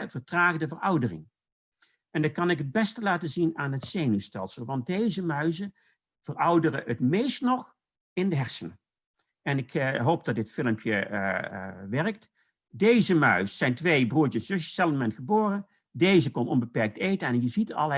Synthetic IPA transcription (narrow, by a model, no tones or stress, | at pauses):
vəɹtraːɣədəvərɑwdərɪ̰ŋ | ɛndɑkɑnɪkɦəd̚bɛstəlaːtəzinaːnətsejnystɛ̰lˠsəlˠʋɑnt̚dejzəmœɥzə | v̥ərɑwdərəətmejstnɔχ | ɪndəɦɛɹsən | ɛnɪkɦowp̚d̥ɑt̚dɪtfɪləmpʰjə | ʋɛɹək̚t | dejzəmœɥsːɛjntʋejbruːɹt͡ʃəszɵsjə̥sɛlˠmɛntχəboːrə | dejzəkɔnɔnbəpɛɹk̚tejtəɛnjəzitɑ̰lˠ